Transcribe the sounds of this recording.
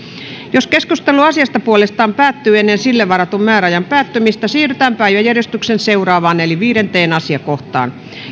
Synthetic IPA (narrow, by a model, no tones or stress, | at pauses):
joskeskust̪eluɑsiɑst̪ɑpuolest̪ɑːmpæːt̪ːyːenːensilːeʋɑɾɑt̪ummæːɾæɑjɑmpæːt̪ːømist̪æsiːryt̪æːmpæjɑjærjest̪yksenseurɑːʋɑːneliʋiːɾent̪eːnɑsiɑkoht̪ɑ̰ːn